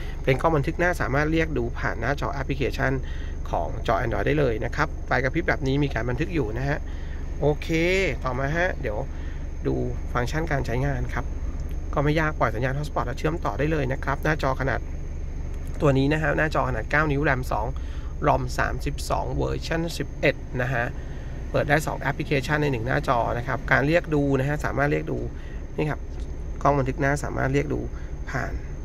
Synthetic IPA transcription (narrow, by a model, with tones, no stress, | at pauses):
pe˧nkɔː˥˩ba˧nt̪ʰɯ˦˥k̚naː˥˩saː˩˦maː˥˩t̪̚ɾi˥˩ək̚duː˧pʰaː˨˩nːaː˥˩t͡ɕɔː˧ʔɛ˦˥pʰli˧kʰeː˧t͡ɕʰa˥˩n | kʰɔ̰ː˩˦ŋt͡ɕɔː˧ʔɛː˧ndɔː˧jdaː˥˩jlɤː˧jna˦˥kʰɾa˦˥p̚fa˧jka˧pʰi˦˥t̪̚bɛː˨˩p̚niː˦˥miː˧kaː˧nba˧nt̪ʰɯ˦˥k̚juː˨˩na˦˥kʰa˦˥ʔ | ʔoː˧kʰeː˧t̪ɔː˨˩maː˧ɦa˦˥di˨˩˦ə˦w | duː˧fa˧ŋt͡ɕʰa˥˩nkaː˧nt͡ɕʰa˦˥jŋaː˧nkʰa˦˥p̚ | kɔː˥˩ma˥˩jːaː˥˩k̚ːwaː˨˩sa˨˦jaː˧npʰːspɔː˨˩t̚lɛ˧˥t͡ɕʰɯ˦˥˩əmt̪ɔː˨˩daː˥˩jlɤː˧jna˦˥kʰɾa˦˥p̚naː˥˩t͡ɕɔː˧kʰa˧naː˨˩t̪̚ː | u˧ɐniː˦˥na˦kʰa˦˥naː˥˩t͡ɕɔː˧kʰa˧naː˨˩t̪̚kaː˥˩wni˦˥wlɛ˧msɔ̰ː˩˦ŋ | ɾo˧msa̰ː˩˦msi˨˩p̚sɔ̰ː˩˦ŋwɤ̰ː˧t͡ɕʰa˥˩nsi˨˩p̚ʔe˨˩t̪̚na˦˥kʰa˦˥ʔ | pɤː˨˩t̪̚daː˥˩jsɔ̰ː˩˦ŋʔɛ˦˥pʰli˧˥kʰeː˧t͡ɕʰa˥˩nːa˧jnɯ˨˩ŋna̰ː˥˩t͡ɕɔː˧na˦˥kʰa˦˥p̚kaː˧nɾi˥˩ək̚duː˧na˦˥kʰa˦˥saː˩˦maː˥˩t̪ɾi˥˩ək̚duː˧ | na˥˩jkʰa˦˥p̚ | kʰɔː˥˩wba˧nt̪ʰɯ˦˥k̚naː˥˩saː˩˦ma̰ː˥˩t̪ɾi˥˩ək̚dṵː˧pʰa̰ː˨˩n